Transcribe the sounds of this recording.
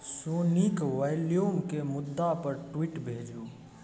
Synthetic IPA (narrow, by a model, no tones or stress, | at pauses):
soːnikʋeljuːmkemʊd̪ːapəɾʈwiːʈbʱeːd͡ʒu